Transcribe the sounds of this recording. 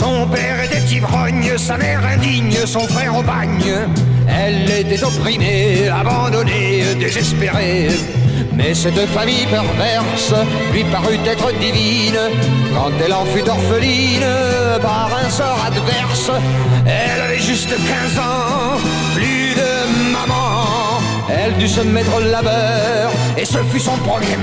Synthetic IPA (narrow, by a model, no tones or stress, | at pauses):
sɔ̃pɛʁet̪ɛt̪ibʁɔɲəsamɛʁɛ̃d̪iɲəsɔ̃fχɛʁobaɲə | ɛlet̪ɛt̪ɔpχimeabɑ̃d̪ɔne | d̪ezɛspeʁe | mɛsɛt̪famijpɛʁvɛʁs | lɥipaʁyt̪ɛt̪χəd̪ivi | n | kɑ̰̃t̪ɛlɑ̃fyd̪ɔʁfəli | n | paʁɛ̃sɔʁad̪vɛʁs | ɛlavɛʒyst̪kʲɛ̃zɑ̃ | ply | d̪ə | mamɑ̃ | ɛld̪ysəmɛt̪χəlabœ | ʁ | esəfysɔ̃pχɔɡʁɛ